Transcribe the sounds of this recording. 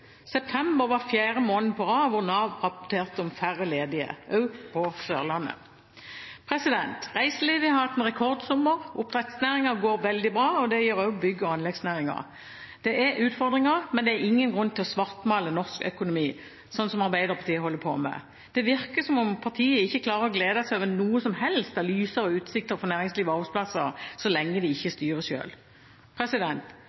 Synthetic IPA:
sɛp̚t̪ʰɛmbəʁʋɑfjæːʁəmoːnnpʰɔʁɑːʋʊʁnɑːʋʁɑpɔt̪ʰeːʁt̪əɔmfæʁəleːd̪ɪə̰ʔœʉpʰɔsøːʁlɑnːə̰ | pʰʁɛsɪd̪ɛnt̪ʁæɪsəliːʋɪɑɾɑt̪ːɛnʁɛkʰɔʁd̪sʊmːəɾʊpt̪ʰʁɛt̪snæːʁɪŋɑɡoːɾʋɛld̪ɪbʁɑːɔd̪ɛjiːɾɔʊbʏɡːɔɑnlɛɡsnæːʁɪŋɑ̰ʁ | d̪̥ɛʔæɾʔʉːt̪fɔʁd̪ʁɪŋɑʁmɛnd̪ɛɾɪŋːənɡʁʉnːt̪ɪlɔsʋɑʁt̪mɑːlənɔʁskœ̰kʊnʊmiː | sɔnːsɔmɑʁbæɪd̪əʁpʰɑʁt̪iːəhɔlːəpʰo̰ːmɛ̰ | d̪̥ɛʋɪʁkəsɔmɔmpʰɑʁt̪ʰiːəɪçːəkʰlɑːʁəʁɔɡleːd̪ɑsæɪoːʋənuːəsɔmhɛlst̪æʁlyːsəɾɔʉːt̪sɪk̚t̪əʁfɔnæːʁɪŋsliːʋəɑːʁbɛspʰlɑsːəʁsɔlɛŋːəd̪ɪɪçːəst̪yːʁəjø̰ːl | pʰʁɛsɪd̪ɛnt̪

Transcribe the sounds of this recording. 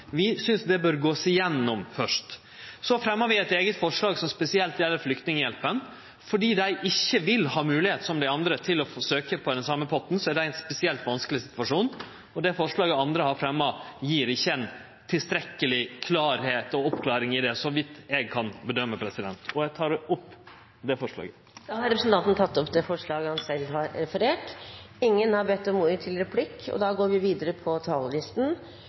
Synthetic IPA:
ʋɪsʏnsd̪ɛbœːɾɡoːsɪjɛnːɔmfœʂt | sɔfɾɛmːəɑʋɪɛt̪eːɡət̪fɔʂɭɑːɡsɔmspɛsɪɛlt̪jɛlːəɾflʏkt̪nɪŋəjɛlpən | fɔɖiːd̪æɪʔɪçːəʋɪlhɑːmʉːlɪheːt̪sɔmd̪æɪɑnd̪ɾət̪ʰɪlɔfsøːkəpʰɔd̪ɛnsɑmːəpʰɔt̪n̩sɔæɖæɪɛnspɛsɪɛlt̪ʋɑnskəlɪsɪ̥t̪ʋɑʂuːn | ɔd̪ɛfɔʂɭɑːɡəɑnd̪ɾəhɑɾfɾɛmːɑjiːɾɪçːəɛn | t̪ʰɪlst̪ɾɛkːəlɪkʰlɑːɾheːt̪ɔɔpːkʰlɑːɾɪŋɪd̪ɛsɔʋɪt̪ːɛɡ̚kʰɑnbəd̪œmːəpʰɾɛsɪd̪ɛnt̪ɔjæt̪ʰɑːɖɛʔʊpː | d̪ɛfɔʂlɑ̰ːɡə | d̪ɑːhɑɾɛpɾəsn̩t̪ɑnt̪n̩t̪ʰɑt̪ːɔpd̪ɛfɔʂɭɑːɡəhɑnsɛlːɦɑɾɾɛfəɾeːʈɪŋːənhɑɾbɛt̪ːɔmuːɾət̪ʰɪlɾɛpʰlɪkːɔ̰d̪ɑːɡoːɾʋɪʋiːd̪əɾəpʰɔt̪ʰɑːllɪst̪n̩

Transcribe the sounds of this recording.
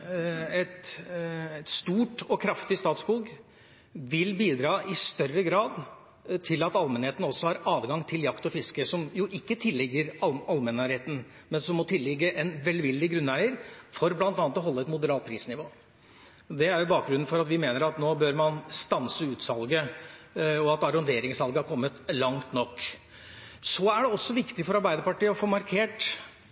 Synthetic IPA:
ɛt̪ | t̪st̪uːʈɔkʰɾɑft̪ɪst̪ɑːt̪skuːɡ | ʋɪlbiːd̪ɾɑːʔɪst̪œrəɡɾɑːd̪ | t̪ʰɪlɑt̪ɑlmɛnheːt̪n̩ɔsːɔhɑɾɑːd̪ɡɑŋt̪ʰɪljɑkt̪ɔfɪskəsɔmjʊʔɪkːət̪ʰɪlːɪɡːəɾɑɑlmɛnːɑːɾheːt̪n̩ | mɛnsɔmːɔt̪ʰɪlːɪɡːəʔɛnʋɛld̪ʋɪld̪ɪɡɾʉnːæɪəɾfɔɾblɑnt̪ɑːnət̪ɔɦɔlːəɛt̪mʊd̪əɾɑːt̪̚pʰɾiːsnɪʋoː | d̪ɛæɾjʊbɑːk̚ɡɾʉnn̩fɔɾɑt̪ʋɪmeːnəɾɑt̪noːbøːɾmɑnst̪ɑnsəʉːt̪sɑlɡə | ɔɑt̪ɑɾɔnd̪eːɾɪŋsɑlɡəhɑɾkʰɔmːət̪lɑŋt̪nɔkː | sɔæɖɛɔsːɔʋɪkt̪ɪfɔɾɑɾbæɪd̪əɾpɑʈiːəɔfoːmɑɾkʰeːʈ

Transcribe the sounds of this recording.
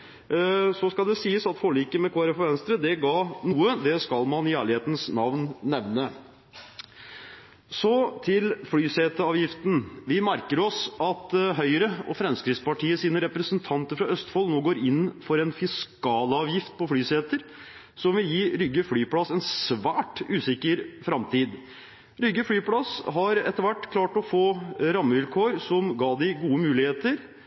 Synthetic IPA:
sɔskɑld̪ɛsiːəsɑt̪foɭiːkəmɛkʰoːæɾəfɔɾʋɛnst̪ɾəd̪ɛɡɑːnuːəd̪ɛskɑlmɑnɪæːɭɪheːt̪n̩snɑʋnnɛʋnə | sɔt̪ʰɪlfɽyːseːt̪əɑːʋjɪft̪n̩ʋɪmæɾkəɾɔsɑt̪ɦœʏɾəɔ̰fɾɛmskɾɪspɑʈʰiːəsiːnəɾɛpɾəsənt̪ʰɑnt̪əɾfɾɑœst̪fɔlnoːɡoːɾɪnːfɔɾɛnfɪskɑːlɑːʋjɪft̪̚pʰɔfɽyːseːt̪əɾ | sɔmʋɪljiːɾʏɡəfɽyːpʰlɑsːɛnsʋæːʈʉːsɪkːəɾfɾɑmt̪ʰiːd̪ | ɾʏɡəflyːplɑsɦɑɾɛt̪ːəɾʋæʈːkʰlɑːʈɔfoːɾɑmːəʋɪlkʰoːɾsɔmɡɑːd̪ɪɡuːəmʉːlɪheːt̪əɾ

